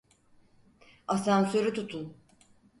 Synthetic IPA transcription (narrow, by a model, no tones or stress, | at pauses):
asansøɾyt̪ʰut̪ʰun